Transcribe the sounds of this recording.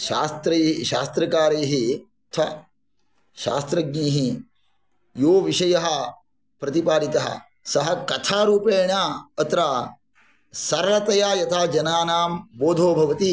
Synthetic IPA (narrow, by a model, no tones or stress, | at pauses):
ʃaːst̪ɾeːiʃa̰ːst̪ɾɐkaːɾeːɦi | t̪ʰɐ | ʃa̰ːst̪ɾɐɡ̚niːɦi | joːʋiʃɐjɐɦɐ̆ | pɾɐt̪ipaːɾit̪ɐɦɐ̰ | sɐɦɐkɐt̪ʰaːɾuːpeːɳaːɐt̪ɾaː | sɐɾʋɐt̪ɐjaːjɐt̪ʰaːd͡ʒɐnaːnaːmboːd̪ʱoːbʱɐʋɐt̪i